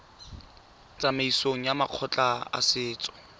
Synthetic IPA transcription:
t͡sʼameisoŋ̩jamaq͡χʰɔt͡ɬʼaa̰sɪːt͡sʼɔ̥

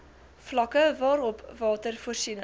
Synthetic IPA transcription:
flɐkəvɑːɾɔpvɑːtərfuərsin

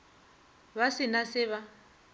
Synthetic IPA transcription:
βasɪnasɪβa

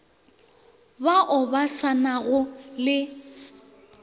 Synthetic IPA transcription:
baʔʊbasanaɣʊlɪ

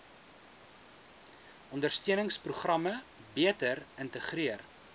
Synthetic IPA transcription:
ʔɔndərstiənəŋspruχrɐmə | biətərəntəχriər

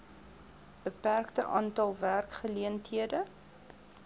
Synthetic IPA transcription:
b̥əpærktəʔɑːntɐlˠværkχəliəntɦiədə

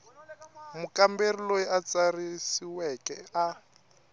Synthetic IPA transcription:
mukamberilojiʔat͡sarisiwɛkɛa

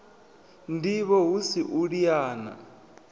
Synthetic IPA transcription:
ndiβɔɦusiʔuɺijaːna̰

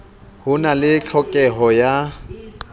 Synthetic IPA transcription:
hʊnalɪt͡ɬʰɔkʼɛɦɔja

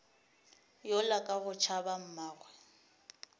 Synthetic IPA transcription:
jɔlakʼaɣʊt͡ʃʰabam̩maːɣwɛ

